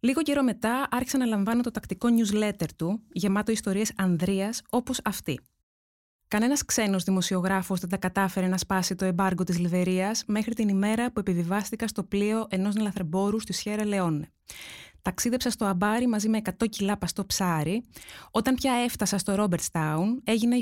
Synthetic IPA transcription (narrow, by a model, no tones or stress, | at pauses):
liɣo̞ce̞ɾo̞me̞t̪ɐʔɐɾçi̥sɐnɐlɐɱvɐnot̪o̞t̪ɐkt̪iko̞ɲuzle̞t̪e̞ɾt̪uʝemɐt̪o̞ist̪o̞ɾiesɐnðɾiɐso̞po̞sɐft̪ḭ | kɐne̞nɐskse̞no̞zðimo̞sio̞ɣɾɐfozðent̪ɐkɐt̪ɐfe̞ɾe̞nɐspɐsit̪o̞e̞bɐɾɡo̞t̪izlive̞ɾiɐsme̞xɾit̪inime̞ɾɐpue̞pivivɐst̪ikɐst̪o̞plio̞ʔe̞no̞znelɐθɾebo̞ɾust̪isçe̞ɾɐle̞o̞ne | t̪ɐksiðe̞psɐst̪o̞ɐbɐɾimɐzime̞ːkɐt̪o̞cilɐpɐst̪o̞psɐɾio̞t̪ɐmpçɐe̞ft̪ɐsɐst̪o̞ɾo̞beɾt̪st̪ɐune̞ʝine